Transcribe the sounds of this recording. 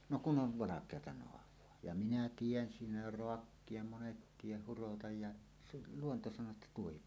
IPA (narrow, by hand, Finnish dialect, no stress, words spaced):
no kun ʔoʋ ʋɑlɑkˑeɑtɑ noɑʋˑoɑ jɑ minæ tien siːnæ jo roɑkːie monet tieh hurotɑj jɑ se luonto sɑnˑoː etːæ tuohip